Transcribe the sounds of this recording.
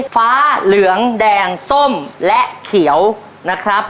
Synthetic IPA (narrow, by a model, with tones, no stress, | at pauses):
faː˦˥lɯ˩˦əŋdɛː˧ŋso˥˩mlɛ˦˥ʔkʰi˩˦əw | na˦˥kʰɾa˦˥p̚